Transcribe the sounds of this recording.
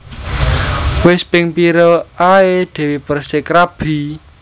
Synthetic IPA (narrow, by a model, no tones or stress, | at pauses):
wɪspɪŋpiɾoaed̪̥ɛ̤wipərsɪkɾab̥i̤